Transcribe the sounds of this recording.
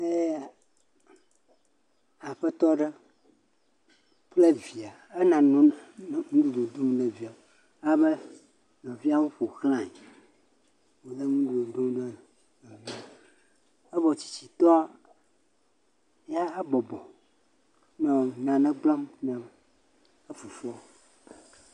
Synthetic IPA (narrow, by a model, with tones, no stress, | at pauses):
e˦˨ | a˨ɸə˦t̪ɔ˦ɖə˦ | ple˦vi˨a˨e˦nã˨nɔ̃˦˨ŋũ˦du˨ɖo˨d̪o˦mɖe˨vi˨a˨ | a˨bə˦ | nɔ̃˨vi˦a˦wu˦ɸo˨xlã˨e˨ | wo˨d̪ə˦ŋũ˦du˨do˨d̪o˦m˦ɖə˦ | nɔ̃˨vi˦a˨ | ə˦vɔ˨t͡ɕi̥˨t͡ɕi˨t̪ɔ˦a˦ | a˦a˦bɔ˨bɔ˨ | nɔ̃˨nã˨nɛ̃˦ɡ͡blɔ˦mnã˨m | ə˦fu˨fɔ˦